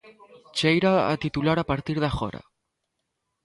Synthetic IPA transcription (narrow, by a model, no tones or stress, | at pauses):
t͡ʃejɾaa̰t̪it̪ulaɾapaɾt̪iɾðaxɔ̰ɾa̰